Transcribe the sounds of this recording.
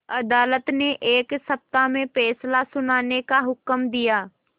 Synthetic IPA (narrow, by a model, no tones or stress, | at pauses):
ɐd̪aːlət̪neʔeːksɐp̚t̪amẽpɛːslasʊnaːnekaɦʊkəmd̪ijaː